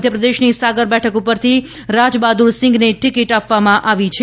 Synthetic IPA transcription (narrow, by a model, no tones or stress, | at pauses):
d̪ʱjəpɾəd̪eʃnisaɡəɾbɛʈʰəkupəɾt̪ʰi | ɾad͡ʒbad̪uɾsɪ̃ŋɡneʈikiʈapʋamãʔaʋit͡ʃʰe